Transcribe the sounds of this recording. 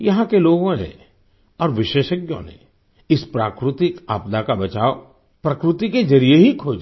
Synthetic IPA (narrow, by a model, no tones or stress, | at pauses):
jɐɦãkeloːɡõnḛ̃ | ɔːɾʋɪʃeːʃəɡjõ̰nḛ | ɪspɾaːkɾɪt̪ɪkaːpd̪akabɐt͡ʃaːo | pɾɐkɾɪt̪iked͡ʒɐɾijeɦikʰoːd͡ʒ